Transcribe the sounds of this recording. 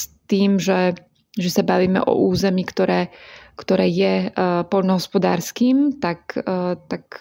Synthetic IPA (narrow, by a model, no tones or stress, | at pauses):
st̪iːmʒɛ | ʒɛsabaʋiːmɛ̰ʔɔ̰ʔuːzɛmiːkt̪ɔɾɛːkt̪ɔɾɛːjɛpɔʎnɔɦɔspɔd̪a̰ːɾskiːmt̪akt̪ak